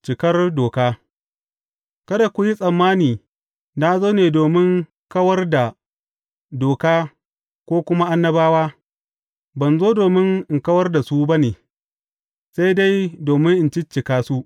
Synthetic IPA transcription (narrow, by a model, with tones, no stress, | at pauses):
t͡ʃɪ˨kɐ˦rdoː˨kaː˦ | kɐ˦da˨kʷʊ˨ji˦sʼɐ˨mːaː˦niː˨ | na˦zoː˦neː˨doː˨mɪ˦ŋ | kɐ˦wɐ˦rda˨ | doː˨kaː˦ | kʷoː˦kʷʊ˦ma˦ʔa˦nːɐ˦baː˦waː˦ | bɐ˨nzoː˦doː˨mɪ˦ŋɪ˨ŋkɐ˦wɐ˦rda˨su˦ba˦neː˨ | sa˦jda˦jdoː˨mɪ˦ŋʔɪ˨nt͡ʃɪ˦t͡ʃːɪ˨kaː˦su˦ʔ